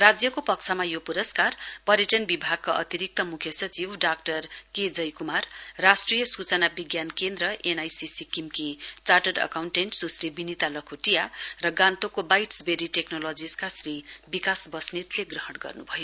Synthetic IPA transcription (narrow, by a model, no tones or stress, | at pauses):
rad͡zjʌkopʌk̚t͡sʰʌmajopuɾʌskarpʌɾjeʈʌnbibʱaɡ̚kaʔʌ̰t̪iɾik̚t̪ʌmukʰjʌsʌt͡sibɖak̚ʈʌrked͡zʌjkumarːasʈrijʌsut͡sʌnabiɡjankend̪rʌʔenajsisikimkit͡saʈʌɖʌ̰kawɳʈenʈd͡zuslibinit̪alʌkʰoʈijarʌɡãnt̪okobajʈsbeɾiʈeknolod͡ziskasrɾibikasbʌsnit̪leɡrʌɦʌɽɡʌ̰rnṵbʱʌjo